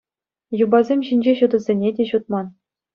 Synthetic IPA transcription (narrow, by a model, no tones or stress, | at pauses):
jubɑzʲemʲɕinʲd͡ʑeɕud̪ɤ̆zʲenʲedʲeɕut̪̚mɑn